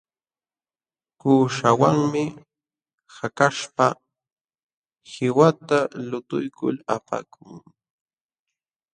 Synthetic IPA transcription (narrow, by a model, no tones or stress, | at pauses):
kuːʃawaŋmɪ | hakaʃpa | hɪwat̪alʊt̪ʊ̰jkʊ̰lapa̰kʰʊŋ